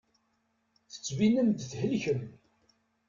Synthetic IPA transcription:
θə̥t͡sːvinənd̪θhəlçəm

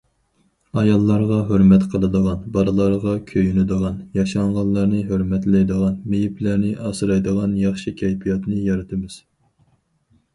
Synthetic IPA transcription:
ɑjɑlˠːɑɾʁɑɦøɾmɛt̪qʰəlˠɨd̪əʁɑnbɑɾɨlˠɑɾʁɑkʲʰøjynyd̪əʁɑnjɑʃɑŋʁɑnlːˠɑɾnɨɦøɾmɛt̪lɛjd̪əʁɑnmejiplæɾnɪʔɑsɨɾɑjd̪əʁɑnjɑχʃikʲʰɛjpʰijɑt̪nɨjɑɾɨt̪ʰɪmɪz̥

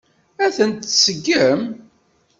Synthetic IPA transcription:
æθənt̪səɡːəm

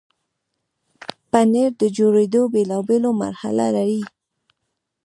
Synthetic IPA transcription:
paneɾd̪əd͡ʒoɾed̪obelɑbeloma̰ɾha̰la̰laɾi

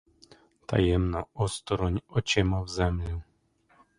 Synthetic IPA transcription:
t̪ʰa̰jɛmnaɔst̪ɔɾɔɲʲɔt͡ʃɛmavzɛmlʲɛ

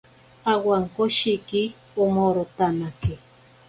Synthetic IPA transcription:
awaŋkoʃiki | omoɾot̪anaki

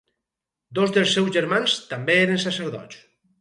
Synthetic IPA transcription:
d̪ozðelˠsːɛwzʒeɾmanst̪ambeeɾensaseɾðɔ̰t͡s

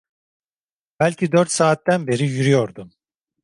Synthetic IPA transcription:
b̥ælʲcʰid̪øɾt̪saːt̪ːænbe̞ɾijyɾyjo̞ɾd̪um

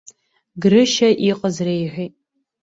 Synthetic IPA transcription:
ɡrɨʃɐʔiqʼəzrejħʷiː

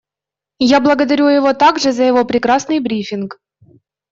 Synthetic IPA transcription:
jablˠəɡəd̪ɐɾʲujɪvo̞t̪aɡʐɨzəjɪvo̞pɾʲɪkɾasnɨjbɾʲifʲɪnk

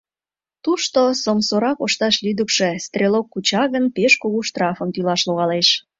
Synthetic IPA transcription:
t̪uʃt̪osomsoɾɑkoʃt̪ɑʃlyd̪əkʃe̽st̪rʲelokːut͡ɕɑɣənpeʃkoɣuʃt̪rɑfəmt̪ylɑʃloɣɑleʃ

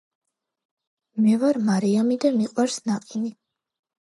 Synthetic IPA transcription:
mɛvaɾmaɾiamid̪amiqʼwaɾsnaqʼini

